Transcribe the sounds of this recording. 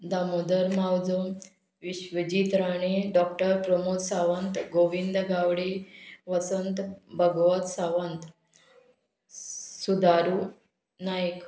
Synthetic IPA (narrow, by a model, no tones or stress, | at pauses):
d̪amod̪əɾmawd͡zom | ʋiɕʋəd͡ʑit̪ɾaɳ̃eɖɔkʈəɾpɾəmod̪saʋənt̪ɡoʋind̪ɡawɽeʋəsənt̪bʱəɡʋət̪saʋənt̪ | sud̪aɾu | najk